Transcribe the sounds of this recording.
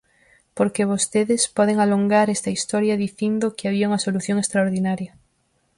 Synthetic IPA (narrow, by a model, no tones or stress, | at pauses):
poɾkeβ̞ost̪eðespɔðeŋaloŋɡaɾɛst̪ɐist̪ɔɾjɐðiθind̪okɪaβiauŋɐsoluθjõŋest̪ɾaoɾðinaɾjɐ